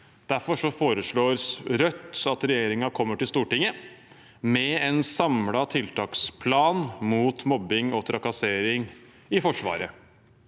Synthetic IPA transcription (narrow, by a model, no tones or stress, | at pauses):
d̪̥æɾfɔʂɔfoːɾəʂɭoːɾsɾœt̪ːɑt̪ɾɛjeːɾɪŋɑkʰɔmːəʈɪlst̪uːʈɪŋːə | mɛɛnsɑmlɑt̪ʰɪlt̪ʰɑːkspʰlɑːnmuːt̪mɔbːɪŋɔt̪ʰɾɑkɑseːɾɪŋ | ɪfɔʂʋɑ̰ːɾə